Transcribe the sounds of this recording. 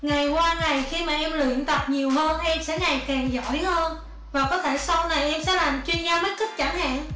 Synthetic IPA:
ŋa˨˩jkwaː˧ŋa˨˩jxi˧maː˨˩ʔɛ˧mlɨ̰˧˨ənt̪a˨˩p̚ɲi˨˩əwhəː˧nʔɛ˧msɛ̰˧˥ŋa˨˩jkɛ˨˩ŋzɔ̰˧˩jhəː˧n | vaː˨˩kɔ˨˦t̪ʰe˧˩sə˧wna˨˩jʔɛ˧msɛ̰ː˧˥laː˨˩mt͡ɕwi˧ənzaː˧mə˦˥t̚ki˦˥k̚t͡ɕa˧˩ŋha̰ː˧˨n

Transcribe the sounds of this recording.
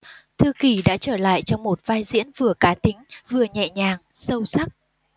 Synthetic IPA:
t̪ʰɨ˧əki˧˩ɗa̰ː˧˥t͡ɕəː˧˩la̰ː˧˨jt͡ɕɔ˧wŋ͡mmo˨˩t̚vaː˧jzḭ˧˥ənvɨ˨˩əkaː˨˦t̪ï˨˦ŋ̟vɨ˨˩əɲɛ̰˧˨ɲaː˨˩ŋsə˧wsa˦˥k̚

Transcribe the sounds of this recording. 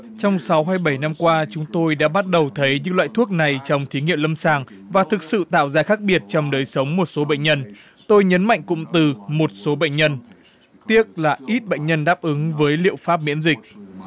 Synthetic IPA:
t͡ɕɔ˧wŋ͡msa˨˦wɦaː˧jɓə˧˩jna˧mkwaː˧t͡ɕʊ˨˦ŋ͡mt̪o˧jɗa̰ː˧˥ɓa˦˥t̚ɗə˨˩wt̪ʰə˨˦jɲɨ̰˧˥ŋlwa̰ː˧˨jt̪ʰu˦˥ək̚na˨˩jt͡ɕɔ˧wŋ͡mt̪ʰi˨˦ŋḭ˧˨əwlə˧msaː˨˩ŋ | vaː˨˩t̪ʰɨ˨˩k̚sɨ̰˧˨t̪a̰ː˧˨wzaː˧xaː˦˥k̚ɓi˨˩ət̚t͡ɕɔ˧wŋ͡mɗəː˨˩jsə˨˦wŋ͡mmo˨˩t̚so˨˦ɓə̰˧˨jŋ̟ɲə˧n | t̪o˧jɲə˨˦nma̰˧˨jŋ̟kʊ̰˧˥ŋ͡mt̪ɨ˨˩mo˨˩t̚so˨˦ɓə̰˧˨ŋ̟ɲə˧n | t̪i˦˥ət̚laː˨˩ʔi˦˥t̚ɓə̰˧˨jŋ̟ɲə˧nɗaː˦˥p̚ʔɨ˨˦ŋvəː˨˦jlḭ˧˨əwfaː˦˥p̚mḭ˧˥nzï˨˩k̚

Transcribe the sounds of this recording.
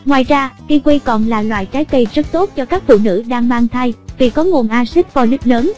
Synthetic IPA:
ŋwaː˨˩jzaː˧ki˧kwi˧kɔ˨˩nlaː˨˩lwa̰ː˧˨jt͡ɕaː˨˦jkə˧jzə˦˥t̚t̪o˦˥t̚t͡ɕɔ˧kaː˦˥k̚fṵ˧˨nɨ̰˧˥ɗaː˧ŋɓaː˧ŋt̪ʰa˧jvi˨˩kɔ˨˦ŋu˨˩ənʔaː˧si˦˥k̚vaː˧˩lɨ˦˥p̚ləː˨˦n

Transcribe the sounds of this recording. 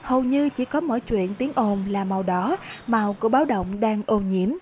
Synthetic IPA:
ho˨˩wɲɨ˧t͡ɕi˧˩kɔ˨˦mɔ̰˧˨jt͡ɕwḭ˧˨ənt̪i˨˦əŋʔo˨˧˩nlaː˨˩ma˨˩wɗɔ˨˦ma˨˩wku˧˩əɓaː˨˦wɗə̰˧˨wŋ͡mɗaː˧ŋʔo˧˩ɲḭ˧˩əm

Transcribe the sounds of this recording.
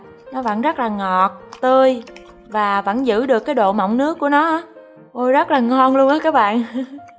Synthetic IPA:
nɔ˨˦və̰˧˨nzə˦˥t̚laː˨˩ŋɔ˨˩t̚t̪ə˧j | vaː˨˩və̰˧˥nzɨ̰˧˥ɗɨ˨˩əkːaː˨˦jɗo̰˧˨ma̰˧˨wŋ͡mnɨ˦˥əkːu˧˩ənɔ˨˦ʔaː˨˦ | ʔo˧jzə˦˥t̚laː˨˩ŋɔ˧nlu˧əŋʔaː˨˦˥kaː˦˥k̚ɓa̰ː˧˨n

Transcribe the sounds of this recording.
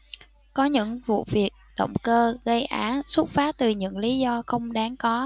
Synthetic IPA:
kɔ˨˦ɲɨ̰˧˥ŋvṵ˧˨vi˨˩ək̚ɗə̰˧˨wŋ͡mkəː˧ɣə˧jʔaː˨˦nsu˦˥t̚faː˨˦t̪ɨ˨˩ɲɨ̰˧˥ŋli˨˦zɔ˧xə˧wŋ͡mɗaː˨˦ŋkɔ˨˦

